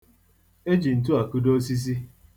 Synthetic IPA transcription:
e˦d͡ʒi˨n̩˨t̬u˦a˨ku˦do˦si˦s̬i˦

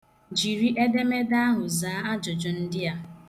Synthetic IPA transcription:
d͡ʒi˨ɾi˦ʔe˦de˦me˦da˦ɦʊ˨zaː˨˦a˦d͡ʒɔ˨d͡ʒɔ˨n̩˦dɪ˦a˨

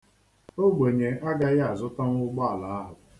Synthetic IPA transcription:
o˦ɡ͡bʷe˨ɲe˨ʔa˦ɡa˦ɣa˨zʊ˦ta˦ŋʊ˦ɡ͡ba˦a˨la˨˦a˦ɦʊ˨

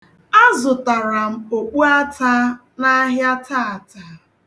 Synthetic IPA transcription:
a˦zʊ˨ta˨ɾa˨m̩˦o˨k͡pu˦a˦ta˦ | na˦ɦja˦taː˦˨ta˨

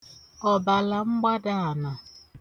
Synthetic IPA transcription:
ɔ˨ba˨la˨ŋ͡m̩˦ɡ͡ba˦da˦a˨na˨

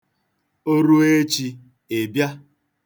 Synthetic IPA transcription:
o˦ɾu˦e˦t͡ʃi˧ | e˨bja˦

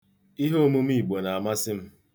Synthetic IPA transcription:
i˦ɦo˦mu˦m̩˦i˦˨ɡ͡bo˨na˨a˨ma˦sɪ˦m̩˦

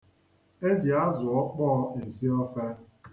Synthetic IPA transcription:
e˦dɪ˨a˦zʊ˨ɔ˦k͡pɔ˦e˨zi˦ɔ˦fa˦

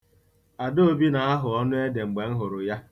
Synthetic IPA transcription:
a˨do˦o˦bi˦na˨a˦ɦʊ˨ɔ˦nʊ˦e˦de˨ŋ͡m̩˨ɡ͡be˨ŋ̩˦ɦʊ˨ɾʊ˨ja˦

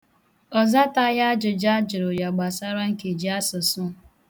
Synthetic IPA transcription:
ɔ˨za˦ta˦ja˦d͡ʒʊ˨d͡ʒa˦d͡ʒʊ˨ɾo˨ɾja˨ɡ͡ba˨sa˦ɾa˦ŋ̩˦ke˨d͡ʒi˨˦a˦sʊ˨sʊ˦˨

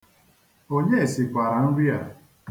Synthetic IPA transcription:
o˦ɲe˦e˨si˨kʷa˨ɾa˨n̩˦ɾi˦a˨

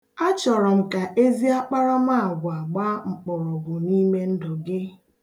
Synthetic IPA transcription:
a˦t͡ʃɔ˨ɾɔ˨m̩˨ka˨ʔe˦zi˦a˦k͡pa˦ɾɔ˦m˦a˦˨ɡʷa˨ɡ͡ba˦ŋ͡m̩˨k͡pɔ˨ɾɔ˨ɡʷʊ˨ni˦me˦n̩˦dɔ˨ɡɪ˦

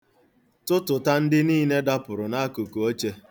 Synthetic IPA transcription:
tʊ˦tʊ˨ta˦n̩˦dɪ˦niː˦ne˦da˦pʊ˨ɾʊ˨na˦ku˨ku˨o˦t͡ʃe˦

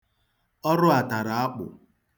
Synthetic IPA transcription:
ɔ˦ɾʊ˦a˨ta˨ɾa˨a˦k͡pʊ̰˨

